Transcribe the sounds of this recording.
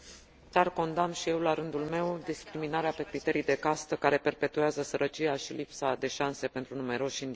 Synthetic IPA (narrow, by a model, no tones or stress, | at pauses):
t̪ʲarko̞nd̪amʃije̞wlaɾɨnd̪ulme̞wd̪iskɾiminaɾeape̞kɾit̪e̞ɾijd̪e̞kast̪əkaɾe̞pe̞rpe̞t̪ueazəsəɾət͡ʃiaʃilipsad̪e̞ʃanse̞pe̞nt̪ɾunume̞ɾo̞ʃind̪i